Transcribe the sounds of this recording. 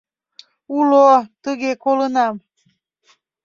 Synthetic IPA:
ulot̪əɣekolənɑm

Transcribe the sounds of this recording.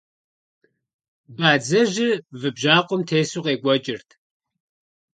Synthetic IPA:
baːd͡zɐʒɪvɨbʒaːqʷʊmtʰeːsuqeːɡʷɔt͡ʃʼɪrtʰ

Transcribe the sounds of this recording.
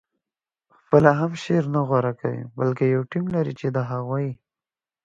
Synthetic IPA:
xpəlaɦamʃeɾnaɣwaɾakawḭbalkejawʈimlaɾit͡ʃed̪aɦaɣwai

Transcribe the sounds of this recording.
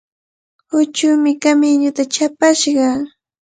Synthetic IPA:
hʊt͡ʃʊmɪkamɪɲʊt̪at͡ʃapaʃɢɑ

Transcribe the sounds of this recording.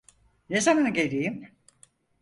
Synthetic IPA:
nezamanɟeɾijim

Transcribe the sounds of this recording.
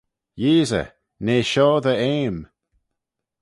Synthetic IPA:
jiːzə̰ | neːʃɔːðəeːm

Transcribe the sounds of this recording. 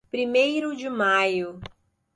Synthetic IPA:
pɾimejɾʊd͡ʒɪmajʊ

